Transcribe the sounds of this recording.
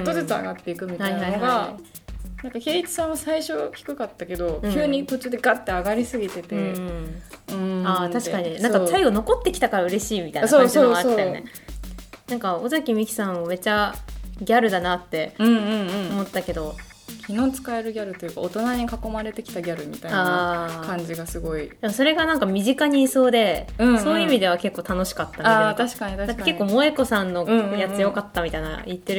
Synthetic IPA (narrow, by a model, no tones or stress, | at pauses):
t̪ozɨt͡sɨa̰ɡat̪ːe̞ikɯ̟mʲit̪hainhaiohɡaa | nãŋkake̞ːit͡sɨ̥sãɰ̃βasaiɕo̞kʲi̥kɯ̟kat̪ːake̞d̪o̞ɯkːʲɨːɲ̟ipot͡ɕɨd̪e̞ɡat̪ːeaɡaɾʲisɨɡʲit̪e̞t̪ẽ | ɯ̃at̪aɕikaɲ̟inãŋkat̪aiɡo̞no̞ko̞t̪ːe̞kʲi̥t̪akaɾaɯ̟ɾe̞ɕiːmʲit̪ainsoaoaoenḛ | nãŋkaozakʲimʲikʲi̥sãɰ̃ome̞t͡ɕaɡʲaɾɯ̟d̪anat̪ːe̞ɯ̟̃ɴ̃ɯ̃ɴomo̞t̪ːake̞d̪o̞ | kʲʰino̞ːt͡sɨ̥kae̞ɾɯ̟ɡʲaɾɯ̟t̪o̞jɯ̟ːka̰ot̪o̞naɲ̟ikako̞maɾe̞t̪e̞kʲi̥t̪aɡʲaɾɯ̟mʲit̪aiaːakãɲ̟d͡ʑiɡasɨɡo̞id̪emoso̞ɾe̞ɡanãŋkamʲiʑikaɲ̟iːso̞ːd̪e̞ɯ̟̃so̞ːjɯimʲid̪e̞β̞ake̞kːo̞ːt̪ano̞ɕi̥kat̪ːaat̪aɕi̥kaɲid̪ad̪akːake̞kːo̞ːmo̞eko̞sãnːõjat͡sɨjo̞kat̪ːamʲit̪aina̰it̪ːe̞ɾɯ